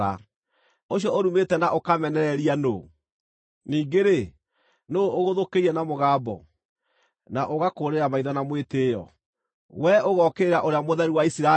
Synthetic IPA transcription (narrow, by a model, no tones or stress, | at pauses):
a | oɕjɔoɾumetɛnaʔokamɛnɛɾɛɾiano | niːɡeɾe | noːoɣoðokeiɛnamoɣaːbɔ̰ | naʔoɣakoɾeɾamaiðanamwetejɔ̰ | wɛoɣɔkeɾaʔoɾeamoðɛɾiwaisiɾa